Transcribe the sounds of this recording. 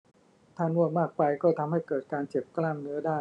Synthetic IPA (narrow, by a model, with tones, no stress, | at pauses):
t̪ʰaː˥˩nu˥˩ət̪̚maː˥˩k̚pa˧jkɔː˥˩t̪ʰa˧mha˥˩jkɤː˨˩t̪̚kaː˧nt͡ɕe˨˩p̚klaː˥˩mnɯ˦˥ɐdaː˥˩